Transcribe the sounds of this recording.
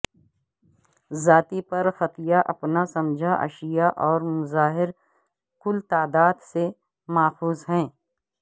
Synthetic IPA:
zaːt̪ipɐɾfɐt̪ɪjaʔɐpnasɐ̃md͡ʒʱaʔɐ̰ʃɪjaʔɔːɾmʊzaːɦɪɾ | kʊlt̪aːd̪aːd̪se | maːfuːzɦɛ̃ː

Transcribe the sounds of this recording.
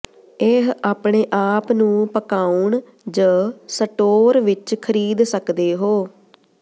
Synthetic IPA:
eɦaːpɳeːʔaːpnũːpəkaːuɳ | d͡ʒəsəʈoːɾʋɪt͡ʃkʰəɾiːd̪səkd̪eːɦoː

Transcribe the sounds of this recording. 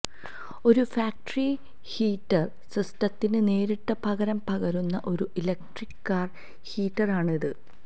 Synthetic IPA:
o̞ɾufaːk̚ʈɐri | hiːʈːɐr | srɨstɐt̪ːinɨne̞ːɾiʈːɐpɐɣɐɾɐmpɐɣɐɾunːɐʔo̞ɾuʔilek̚ʈrikːaːr | hiːʈːɐraːɳiðɨ

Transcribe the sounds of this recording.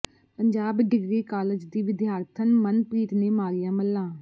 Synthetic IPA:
pəɲd͡ʒaːbɖɪɡɾiːkaːləd͡ʒd̪iːʋɪd̪jaːɾt̪ʰənmənpɾiːt̪neːmaːɾɪjãːməlːãː

